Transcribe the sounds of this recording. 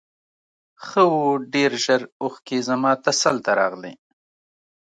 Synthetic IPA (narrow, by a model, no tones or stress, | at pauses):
xəwoɖeɾʒəɾʊxkezamɑːt̪asalt̪aɾɑ̰ɣlḛ